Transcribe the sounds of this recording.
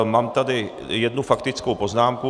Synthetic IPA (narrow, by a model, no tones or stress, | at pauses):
maːmt̪adɪ | jɛdnufakt̪ɪt͡skowpo̞znaːmku